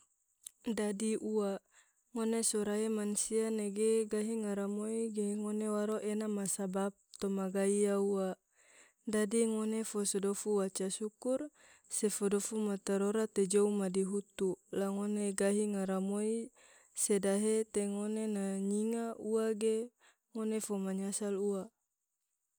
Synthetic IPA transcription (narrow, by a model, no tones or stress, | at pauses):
dadiʔua | ŋonesoɾaemansianeɡeɡaɦiŋaɾamoiɡeŋonewaɾoʔenamasabap̚t̪omaɡaiaua | dadiŋonefosodofuwat͡ʃasukur | sefodofumat̪aɾoɾat̪ed͡ʒoumadiɦut̪ulaŋoneɡaɦiŋaɾamoi | sedaɦet̪eŋonenaɲiŋauaɡe | ŋonefomaɲasalua